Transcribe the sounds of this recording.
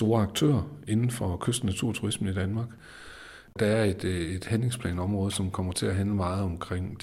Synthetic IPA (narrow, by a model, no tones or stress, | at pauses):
d̥o̝ːɐɑɡ̥̚t͡sʰø̰ːɐe̝nn̩fɒ̽kʰøsd̥næt͡sʰuɐ̰t͡sʰuʁismən̩id̥ænmɑ̈ːɡ̥ | d̥ɑ̈æɐe̝d̥e̝d̥hænle̝ŋspʰlɛ̰ːnɒ̽mʁɔ̽ːð̞ˠsɒ̽mkʰɒ̽m̰ɐt͡sʰe̝æɦænləmɑ̈ːð̞̩ˠɒ̽mkʰʁeŋ̰d̥